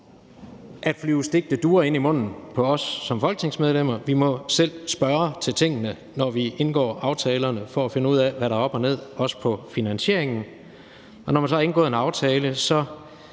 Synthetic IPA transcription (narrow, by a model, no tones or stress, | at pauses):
ʔæ̥flyʊsd̥e̝ɡ̥̚d̥əd̥uːɐe̝nimɔ̽n̰n̩pʰɒ̽ɒ̽sːɒ̽mfɒ̽lɡ̥ə̥t͡sʰe̝ŋsmeð̞ˠlem̰ɐʋimɒ̽sel̰sb̥ɶɐt͡sʰe̝lt͡sʰe̝ŋ̰ənə | nɒʋie̝nɡ̥ɒ̰ːʔɑ̈ʊt͡sʰɛːlɐnəfɒ̽æfe̝nəuð̰ˠæʋæɾɑ̈ɒ̽b̥ɒne̝ð̞̰ˠɒ̽sə̥pʰɒ̽finænɕe̝ɐ̰eŋn̩ | ɒ̽nɒmænsɒɑe̝nɡ̥ɔ̰ːð̩ˠe̝nɑ̈ʊt͡sʰɛːləsɒ̽